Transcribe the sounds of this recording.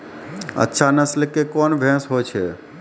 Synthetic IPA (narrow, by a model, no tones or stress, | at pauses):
ə̰tːʃʰanəslkekɔːnʋʱɛ̃sɦojt͡ʃʰeː